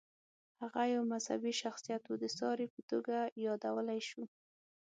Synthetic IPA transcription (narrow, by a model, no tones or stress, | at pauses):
haɣajawmazha̰biʃaxsijat̪wod̪əsɑɾepət̪oɡajɑd̪awəlajʃu